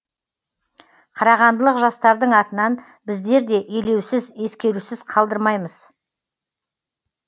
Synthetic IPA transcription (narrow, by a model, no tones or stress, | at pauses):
qʰɑɾɑʁɑnd̪əlˠəqʒɑst̪ɑɾd̪əɴɑt̪ənɑn | bɪzd̪e̞ɾd̪e̞ʔele̞wsɪzje̞skʲe̞ɾusɪz̥qʰɑlˠd̪əɾmɑjməz